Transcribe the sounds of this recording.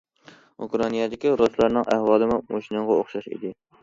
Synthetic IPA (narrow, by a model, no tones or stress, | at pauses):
ukɾɑnijɑd̪ɪkʲiɾoslˠɑɾnɨŋʔæhwɑːlˠɨmʊmoʃinɨŋʁɑoχʃɑʃɪ̰d̪ɪ